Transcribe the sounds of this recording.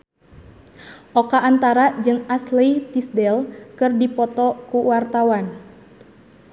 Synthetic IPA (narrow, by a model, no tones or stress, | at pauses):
ʔɔkaʔːnt̪aɾad͡ʒɨŋaslɛt̪isdɛlkɨrdipɔt̪ɔkuwart̪awan